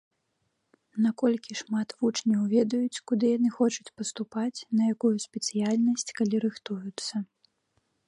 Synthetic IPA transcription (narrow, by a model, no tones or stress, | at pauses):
nakɔlʲkʲiʂmat̪vut͡ʂnʲɐwvʲɛd̪ɐjut͡sʲkud̪ɨjanɨxɔt͡ʂut͡sʲpɐst̪upat͡sʲnɐjakujusʲpʲɛt̪sɨjalʲnɐsʲt͡sʲkalʲiɾɨxt̪ujut̪sːɐ